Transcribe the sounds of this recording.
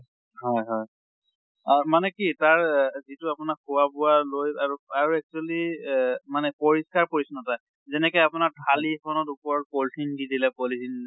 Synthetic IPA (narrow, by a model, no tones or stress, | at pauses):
hɔjɦɔj | amanɛkitaɹzitʊapʊnakʰːuwabʊwalojaɹuaɹuɛk̚t͡ʃualimanɛpɔɹiskaɹkoɹisunata | zɛnɛkɔjapʊnaɹdʰʱalipʰɔnɔtupɔɹɔt̚poltʰindidilɛkolitʰin